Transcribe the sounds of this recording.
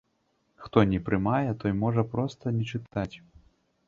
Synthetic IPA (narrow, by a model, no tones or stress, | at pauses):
xt̪ɔnʲɛpɾɨmajɛt̪ɔjmɔʐɐpɾɔst̪ɐnʲɛt͡ʂɨt̪at͡sʲ